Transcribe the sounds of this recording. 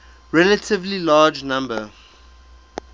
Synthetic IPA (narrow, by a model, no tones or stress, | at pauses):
ɹɛlətʰɪvlilɑːd͡ʒnãmbə